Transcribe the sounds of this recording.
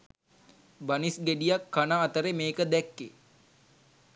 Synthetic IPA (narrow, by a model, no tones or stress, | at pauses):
banisɡeɖijakːanaːt̪əɾemeːkəd̪ɛkːe